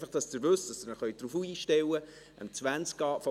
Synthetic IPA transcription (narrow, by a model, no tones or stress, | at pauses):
fɑχd̥ɑsd̥əɾvɵsd̥ɑsd̥ərnəχœʏtd̥ɾufuiːʃtɛwə | ə̰mt͡sʋænt͡skɑːfɔ